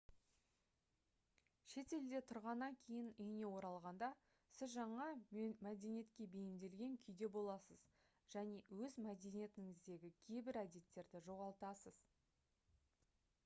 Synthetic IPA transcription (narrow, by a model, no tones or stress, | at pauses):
ʃe̞t̪e̞ld̪e̞t̪ʰʊɾʁɑnːɑŋkʲʰe̞jɪnʏjne̞wo̞ɾɑlˠʁɑnd̪ɑ | sɪzʒɑɴɑmæd̪enije̞t̪kʲe̞bejɪmd̪e̞lɡʲe̞ŋkʲʰʏjd̪e̞bo̞lˠɑsəz | ʒ̥æne̞wɵzmæd̪e̞nije̞t̪ɪŋɪzd̪e̞ɡʲɪkʲʰejbɪɾæd̪e̞t̪ːe̞ɾd̪ɪʒo̞ʁɑlˠt̪ɑsəz̥